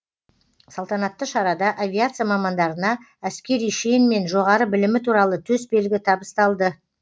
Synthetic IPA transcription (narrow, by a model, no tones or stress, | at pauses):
sɑlˠt̪ɑnɑt̪ːəʃɑɾɑd̪ɑʔavʲiat̪sɨjamɑmɑnd̪ɑɾənɑ | æskʲe̞ɾijʃejɪnme̞nʒo̞ʁɑɾəbɪlɪmɪt̪ʰuɾɑlˠət̪ʰɵsbe̞lɡʲɪt̪ʰɑbəst̪ɑlˠd̪ə